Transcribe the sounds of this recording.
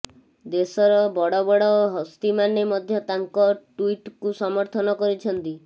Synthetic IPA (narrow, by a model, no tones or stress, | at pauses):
d̪esɔɾɔbɔɽɔbɔɽɔoɦɔst̪imanemɔd̪ʱjɔt̪aŋkɔʈuiʈkusɔmɔɾt̪ʰɔnɔkɔɾit͡ʃʰɔnt̪i